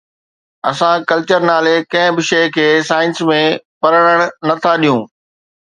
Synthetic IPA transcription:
ɐsãkɐlt͡ɕəɾnaːlekɐ̃ɦɪ̃bɪʃeːkʰeːsaːɪnsmẽpɐɾəɽ̃əɽ̃nɐt̪ʰaɗijũː

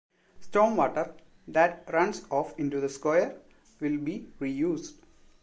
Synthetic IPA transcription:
sʈoːmʋɔːʈəɾ | d̪æʈ̚ɾʌ̃nsɔːfɪ̃ɳʈud̪əskɔɪəɾ | ʋɪlbiːɾiːjuːsɖ

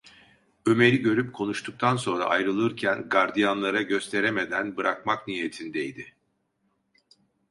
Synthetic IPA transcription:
øme̞ɾiɟø̞ɾyp̚kʰo̞nuʃt̪ʰuk̚t̪ʰanso̞nɾa̰ʔajɾɯlˠɯɾcʰænɡaɾd̪ijanlˠaɾaɟø̞st̪ʰe̞ɾeme̞d̪ænbɯɾʔak̚maknijet̪ʰind̪ejd̪ɪ

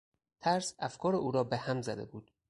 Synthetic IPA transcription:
t̪ʰæɾsæfkʰɒːɾeuːɾɒːbehæmzæd̪e̞̰buːd̪̥

